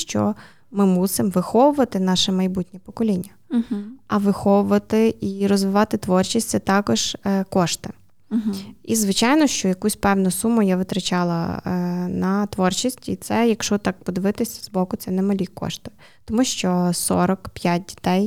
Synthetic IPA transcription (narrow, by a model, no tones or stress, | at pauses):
ʃt͡ʃɔ̰ | mɪmusɪmʋɪxɔʋʊʋɐt̪ɪnɑʃɛmɐjbutʲnʲipɔkɔlʲinʲːɐ | ɐʋɪxɔʋʊʋɐt̪ɪiɾɔzʋɪʋɑt̪ɪt̪ʋɔrt͡ʃisʲt̪ʲsɛt̪ɑkɔʒ̥kɔʃt̪ɪ | izʋɪt͡ʃɑjnɔʃt͡ʃɔjɐkusʲpɛwnʊsumʊjaʋɪt̪ɾɐt͡ʃɑlˠɐ̰ | nɐt̪ʋɔrt͡ʃisʲtʲit̪sɛjɐkʃɔt̪ɑk̚pɔd̪ɪʋɪt̪ɪsʲɐ̥zbɔkʊt̪sɛnɛmɐlʲikɔ̰ʃt̪ɪ̥ | t̪ɔmuʃt͡ʃɔsɔ̰ɾɔkpʲjat̚ʲdʲi̥t̪ɛj